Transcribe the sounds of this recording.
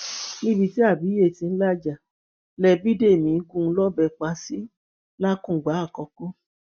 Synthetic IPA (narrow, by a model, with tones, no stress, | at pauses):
nĩ˦bi˧ti˨˦a˦˨bi˨˦e˦˨tĩ˧n̩˦la˦d͡ʒa˨ | lɛ˧˨bi˦de˦˨mĩ˨˦ɡũ˦lɔ˦bɛ˧k͡pa˧˦si˨˦ | la˦kũ˦˨ɡ͡ba˨˦a˦˨kɔ˧ko˦